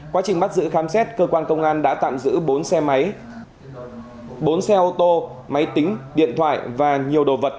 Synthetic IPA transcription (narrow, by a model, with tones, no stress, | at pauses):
kwaː˨˦t͡ɕï˨˩ŋ̟ɓa˦˥t̚zɨ̰˧˥xaː˨˦msɛ˦˥t̚kəː˧kwaː˧nkə˧wŋ͡mŋʔaː˧nɗa̰ː˧˥t̪a̰ː˧˨mzɨ̰˧˥o˨˦nsɛ˧˨˦j | ɓo˨˦nsɛ˧ʔo˧t̪o˧ | ma˨˦jt̪ï˨˦ŋ̟ɗḭ˧˨ənt̪ʰwa̰ː˧˨jvaː˨˩ɲi˨˩əwɗo˨˩və˨˩t̚